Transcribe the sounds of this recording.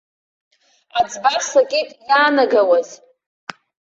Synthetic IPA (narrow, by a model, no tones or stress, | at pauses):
ad͡zʼbarsakʲʼetʼijaːnaɡawaz